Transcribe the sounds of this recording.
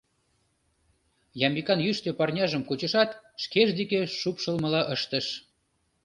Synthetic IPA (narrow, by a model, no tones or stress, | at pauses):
jɑmbikɑnjyʃt̪epɑrnʲɑʒəmkut͡ɕə̆ʃɑt̪ʃkeʒd̪ekeʃupʃə̆lmə̆lɑʔəʃt̪ə̆ʃ